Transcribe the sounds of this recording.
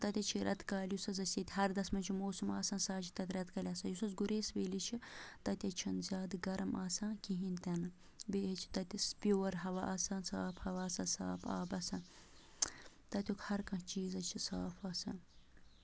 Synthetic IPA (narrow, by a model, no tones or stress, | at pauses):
t̪ɐt̪ʲɐt͡ʃʰiɾɐt̪kaːlʲjusɐzɐsɐt̪ʲɦɐɾd̪ɐsmɐnt͡ʃʰimoːsumaːsaːnsaːt͡ʃʰi̥t̪ɐt̪ʲɾɐt̪kɐlʲɐːsãːjusɐzɡuɾeːsʋeːlit͡ʃʰit̪ɐt̪ʲɐt͡ʃʰɐnzʲaːd̪ɡɐɾɐmaːsãːnkiɦĩnt̪ɐnɨ | beːhɐt͡ʃʰi̥t̪ɐt̪ʲispjoːɾɦɐʋaʔaːsaːnsaːphɐʋaːsaːnsa̰ːpʰa̰ːbɐsɐn | t̪ɐt̪ʲukhɐɾkɐ̃t͡ʃiːzɐt͡ʃʰisaːfaːsɐ